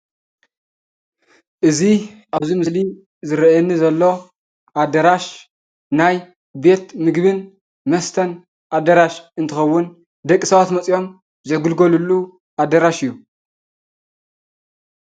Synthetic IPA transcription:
ʔɨziʔaβzimɨsli | zɨɾɐɛnːizɐlːo̞ | ʔad̪ɐɾaʃ | naj | be̞t̪mɨɡβɨn | mɐst̪ʰɐn | ʔad̪ɐɾaʃɨnt̪ʰɨxɐwːʊn | d̪ɐkʼːisɐβat̪mɐt͡sʼijo̞m | zɐɡɨlɡolulːu | ʔad̪ɐɾaʃɨjːu

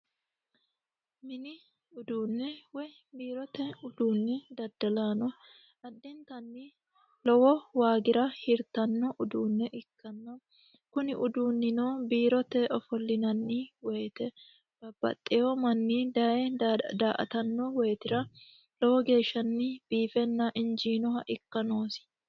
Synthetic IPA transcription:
mɪnɪ | ʊd̪uːnːɛwɔj | biːɾɔt̪ɛʊd̪uːnːɪd̪ɐd̪ɐlaːnɔ | ɐd̪ːɛnt̪ɐnːɪ | lɔwɔwaːɡɪɾɐhɪɾt̪ɐnːɔʔʊd̪uːnːɛʔɪkʰːɐnːɐ | kʊnɪʔʊd̪uːnːɪnoːbiːɾɔt̪ɛʔɔfɔlːɪnɐnːɪwɛjt̪ɛ | b̥ɐbːɐ̰t̪ʼːɛjɔmɐnːid̪ɐɛd̪aːʔɐ̰t̪ɐnːɔwɛjt̪ɪɾɐ | lɔwɔɡe̞ːʃːɐnːɪb̥iːfɛnːɐʔɪnd͡ʒiːnɔhɐʔɪkːɐnoːsɪ̥

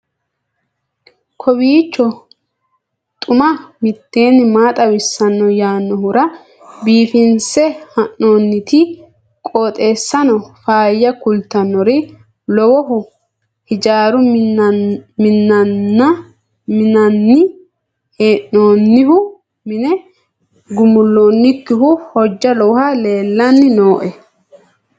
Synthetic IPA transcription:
kʰɔbiːt͡ʃːɔ | t̪ʼʊmɐmɪt̪ːeːnːɪmaːt̪ʼɐwɪsːɐnːɔjaːnːɔɦʊɾɐ | biːfɪnsɛhɐnːo̞ːnːɪt̪ɪ | kʼoːt̪ʼe̞ːsːɐnɔfaːjːɐkʊlt̪ːɐnːɔɾɛ | lɔwɔɦʊ | hɪd͡ʒaːɾʊ | mɪnːɐnːɐ | mɪnɐnːɪ | heːʔːo̞ːnːɪhʊ | mɪnɛ | ɡʊmʊlːoːnːɪkːɪhʊhɔd͡ʒːɐlɔwʊhɐle̞ːlːɐnːɪno̞ːʔɛ

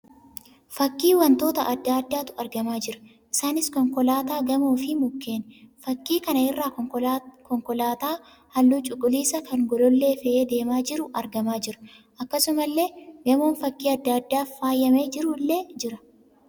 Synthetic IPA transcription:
fɐkːiːwɐnt̪o̞ːt̪ɐʔɐd̪ːaːɐd̪ːaːt̪ʊ̥ɐɾɡɐmaːd͡ʒɪɾɐ̥ | ʔɪsaːnɪskɔŋkɔlaːt̪aːɡɐmuːfɪmʊkːe̞ːnfɐkːiːkɐnɐɪrːaː | kɔŋkɔlaːt̪aː | hɐlːuːt͡ʃʼʊkʼːʊliːsɐkɐŋɡɔlɔlːe̞ːfɛʔeːd̪e̞ːmaːd͡ʒɪɾʊʔɐ̰ɾɡɐmaːd͡ʒɪɾʊ̥ | ʔɐkːɐsʊmɐlːe̞ːɡɐmoːnfɐkːiːɐd̪ːɐd̪ːaːfːaːjːɐmeːd͡ʒɪɾuːlːeːd͡ʒɪɾɐ̥

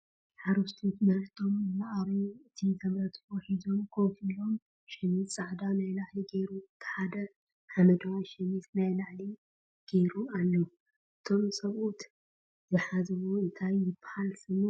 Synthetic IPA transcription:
ħaɾuft̪ʰut̪mɐɾt̪ʰo̞mɨlaʔaβiɨt̪ʰizʰɐmɾɐt̪ʰwɔħizo̞mkʰowfilo̞m | ʃɛmit̪sʼaʕd̪anajlaʕliɡejɾuɨt̪ʰħad̪ɐ | ħamɐd̪ɐwaʃɐmit̪najlaʕli | ɡ̥e̞jɾualːɐ | ʔɨt̪ʰo̞msʼɐβʔut̪ | z̥ɨħazɐwoɨnt̪ʰajːɪbːahalsɨmo

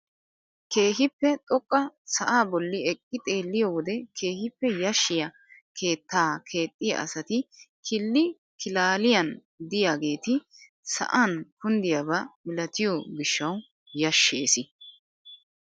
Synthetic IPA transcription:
ke̞ːɦɪpːɛt̪ʼɔkʼːɐsɐʔaːbɔlːɪɛkʼːɪt̪ʼe̞ːlːɪjɔwɔd̪ɛkʰe̞ːhɪpːɛjɐʃːɪjɐ | kʰe̞ːt̪ːaːkʰe̞ːt̪ʼːɪjɐ̰ʔɐ̰sɐt̪ɪkʰɪlːɪ | kɪlaːlɪjɐn | d̪ɪjaːɡe̞ːt̪ɪ | sɐ̰ʔankʊnd̪ɪjɐbɐmɪlɐt̪ɪjɔɡɪʃːɐw | jɐʃːeːsɪ

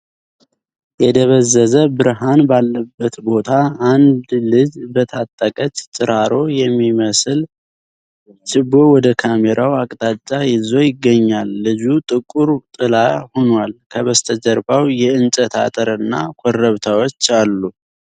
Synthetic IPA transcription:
jɛd̪əβəzːəzəbɨɾɦanbalːəbːət̪bo̞t̪ʰaːnd̪lɨd͡ʒbət̪ʰat̪ʼːəkʼət͡ʃʼt͡ʃʼɨɾaɾo̞jɛmːiməsɨl | t͡ʃɨbo̞wɔd̪əkʰameɾʔawakʼt̪ʼat͡ʃʼːajɪzo̞jɪɡːəɲːalːɨd͡ʒut̪ʼɨkʼːuɾt̪ʼɨlahonwalkʰəβəst̪ʰəd͡ʒəɾbawjɛɨnt͡ʃʼət̪ʰa̰t̪ʼəɾɨnːakʰorːəβt̪ʰawo̞t͡ʃːalːu

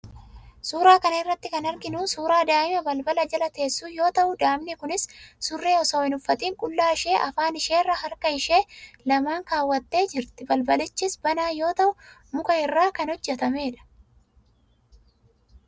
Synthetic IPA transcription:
suːɾaːkɐnɐɪrːɐt̪ːɪkɐnɐɾɡɪnuːsuːɾaːd̪aːʔɪmɐbɐlbɐlɐd͡ʒɐlɐt̪e̞ːsːuːjo̞ːt̪ɐʔʊd̪aːmnɛkʊnɪsːʊrːeːɔsoːɪnʊfːɐt̪ʼiːŋkʼʊlːaːɪʃe̞ːʔɐfaːnɪʃe̞ːrːɐɦɐɾkɐɪʃe̞ːlɐmaːŋkaːwːɐt̪ːe̞ːd͡ʒɪɾt̪ɪbɐlbɐlɪt͡ʃːɪsbɐnaːjo̞ːt̪ɐʔʊ | mʊkɐɪrːaːkɐnɔd͡ʒːɛt̪ɐme̞ːᶑɐ̥

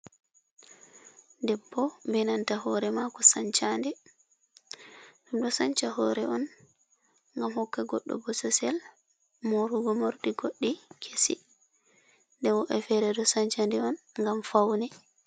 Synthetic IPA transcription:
dɛbːɔbɛnantahɔɾɛmakɔsaɲt͡ʃandɛ | dumdɔsaɲt͡ʃahɔɾɛʔɔn | ŋɡamhɔkːaɡɔɗːɔ̰bɔsɔsɛl | moɾuɡɔmoɾɗiɡoɗːikʰesḭ | ndɛwɔʔɛfɛɾɛdɔsaɲt͡ʃandɛɔn | ŋɡamfawnɛ

